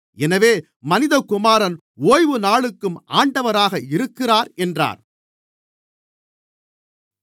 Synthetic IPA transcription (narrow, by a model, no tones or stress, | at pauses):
ɛnɐʋeː | mɐnɪðɐkːʊmaːɾɐn | oːjʋɯnaːɭɯkːɯmʔaːɳɖɐʋɐɾaːɣɐɪɾɯkːɪraːɾɛndra̰ːɾ